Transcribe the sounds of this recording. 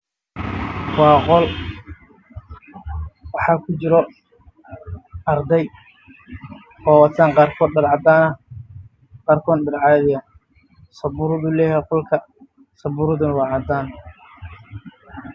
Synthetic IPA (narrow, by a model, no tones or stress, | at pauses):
wɑːqɔl | wɑħɑːkʰʊt͡ʃɪɾɔ | ʔɐɾd̪ɛj | ɔːwɑt̪ʰaːŋqɑːrkʰɔːd̪ɖɐɾʕɑd̪aːnɐ | qɑːrkʰɔːnɖɐɾʕɑːðɪja | sɐbʊɾʊðuːlɛːjɛqɔlkʰɐ | sɐbʊɾʊðʊnɐwɑːʕɑd̪aːn